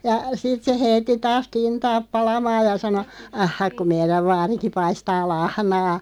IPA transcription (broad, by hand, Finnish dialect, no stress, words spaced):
jɑ sit se heitːi tɑːs kintɑːp̆ pɑlɑmɑːj jɑ sɑno ɑhːɑk ku meiræʋ ʋɑːriki pɑistɑː lɑhnɑː